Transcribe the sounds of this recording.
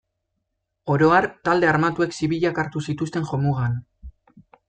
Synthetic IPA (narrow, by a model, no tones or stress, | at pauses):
o̞ɾo̞aɾt̪ald̪e̞aɾmat̪ue̞ksiβiʎakaɾt̪usit̪ust̪e̞ŋʝo̞muɣan